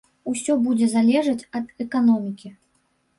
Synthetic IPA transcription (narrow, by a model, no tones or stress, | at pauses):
usʲɔbud͡zʲɛzalʲɛʐɐt͡sʲɐd̪ɛkanɔmʲikʲi